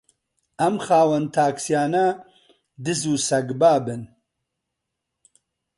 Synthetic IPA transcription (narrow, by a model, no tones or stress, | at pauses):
ɐmxaːwɐnt̪ʰaːksijaːnɐ | d̪ɨzuːsɐɡbaːbɨn